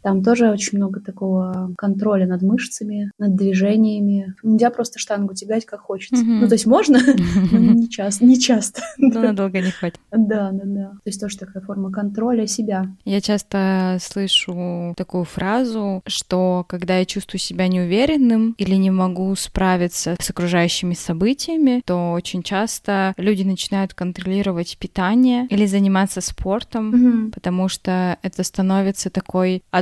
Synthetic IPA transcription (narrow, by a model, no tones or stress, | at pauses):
t̪amt̪o̞ʐɨot͡ɕɪnʲmno̞ɡət̪ɐko̞vəkɐnt̪ɾo̞lʲənɐd̪mɨʂt̪səmʲɪnəd̪̚ːvʲɪʐɛnʲɪjəmʲɪnʲɪlʲzʲapɾo̞st̪ə̥ʂt̪anɡʊtʲɪbʲatʲkakxo̞t͡ɕɪt̪səut̪o̞ɪtʲmo̞ʐnənonʲɪt͡ɕast̪nʲɪt͡ɕast̪ə̥d̪onɐd̪o̞lˠɡənʲɪxvatʲɪ̥d̪ad̪ad̪at̪oɪsʲt̪oʐət̪ɐkajəfo̞rməkɐnt̪ɾo̞lʲəsʲɪbʲajat͡ɕast̪əslˠɨʂʊt̪ɐkujʊfɾazʊʂt̪o̞kɐɡd̪ajat͡ɕust̪vʊjʊsʲɪbʲanʲɪʊvʲeɾʲɪnːɨmilʲɪnʲɪmɐɡuspɾavʲɪt̪səsɐkɾʊʐajʉɕːɪmʲɪsɐbɨtʲɪjəmʲɪt̪o̞ot͡ɕɪnʲt͡ɕast̪əlʲudʲɪnət͡ɕɪnajʊt̪kənt̪ɾɐlʲiɾəvətʲpʲɪt̪anʲɪjəilʲɪzənʲɪmat̪sːəspʰo̞rt̪əmɦm̩pət̪ɐmuʂt̪oɛt̪əst̪ɐno̞vʲɪt̪sət̪ɐko̞jɐ